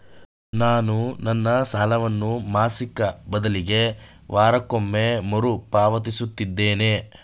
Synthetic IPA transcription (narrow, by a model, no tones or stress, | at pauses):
naːnunɐnːɐsaːlɐʋɐnːumaːsikɐbɐd̪ɐliɡe̞ | ʋʔaːɾɐkomːe̞moɾupaːʋɐt̪̬isut̪ːid̪ːe̞ːne̞